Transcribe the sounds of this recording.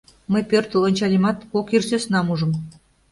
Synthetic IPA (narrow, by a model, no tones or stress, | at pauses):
məjpørt̪ə̆lonʲt͡ɕɑlʲimɑt̪kokirsøsnɑmuʒə̆m